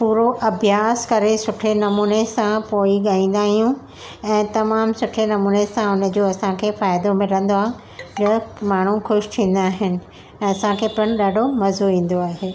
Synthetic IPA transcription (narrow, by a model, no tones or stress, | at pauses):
puːɾoʔɐbʱjaːskɐɾesʊʈʰenɐmuːnesãpoːiɠaːĩːn̆d̪aːɦijũ | ɛ̃ːt̪ɐmaːmsʊʈʰenɐmuːnesãʊnə̆d͡ʑoːɐsãkʰeːfaːjd̪omɪ̃ɾɐ̃n̆d̪oaːɦ | nɐmaːɳ̤ũxʊʃt̪ʰĩːn̆d̪aːɦɪnɪ̆ | ɛ̃ːɐsãkʰeːpɐɽ̃ɗaːɖʱomɐzoʋĩːn̆d̪oaːɦeː